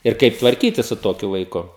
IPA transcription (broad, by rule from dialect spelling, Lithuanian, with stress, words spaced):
ɪr ˈkɐɪp tʋɐrʲˈkʲiːtʲɪs sʊ ˈtoːkʲʊ ʋɐɪˈkʊ